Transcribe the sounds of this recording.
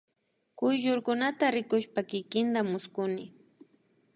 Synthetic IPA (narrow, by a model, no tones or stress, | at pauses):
kʊjʒʊɾkʊnat̪aɾɪkʊʃpakɪkɪnd̪amʊskʊnɪ